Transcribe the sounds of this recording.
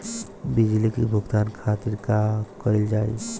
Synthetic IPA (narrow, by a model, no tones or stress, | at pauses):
bid͡ʒlikibʱuɡt̪aːnkʰat̪iɾkakəɾild͡ʒaːḛ